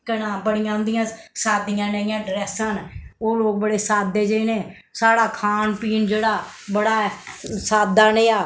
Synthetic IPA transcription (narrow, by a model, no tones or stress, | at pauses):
kənãːbəɽɪjãːɦʊ̃nd̪ɪjãːsaːd̪ɪjãːneɪjãːɖɾɛːsənoːloːk̚bəɽeːsaːd̪ːeːd͡ʒeːneː | saːɽaːkʰaːnpiːnd͡ʒeːɽaː | bəɽaːsaːd̪aːneːaː